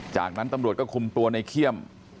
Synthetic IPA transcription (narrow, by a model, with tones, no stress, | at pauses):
t͡ɕa̰ː˨˩k̚na˦˥nt̪a˧mɾt̪̚kɔː˥˩kʰu˧mt̪u˧ɐna˧jkʰi˥˩əm